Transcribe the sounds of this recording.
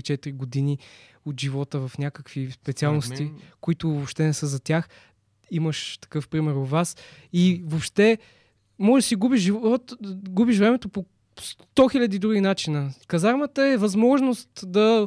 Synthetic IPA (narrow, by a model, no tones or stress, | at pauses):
t͡ʃɛt̪iɾiɡod̪ini | ot̪ʒivɔt̪əvɐfnʲakəkvispɛt̪sialˠnost̪ikoit̪ʊvopʃt̪ɛnɛsəzɐt̪ʲjax | iməʃt̪ɐ̥kɤfpɾimɛɾovas | ivopʃt̪ɛ | mɔʒsiɡubiʃʒivɔt̪ɡubiʃvɾɛmɛt̪opo | st̪ɔxilʲɐd̪id̪ɾuɡʲinat͡ʃinəkɐzaɾmət̪əɛvɐzmɔʒnost̪d̪ɐ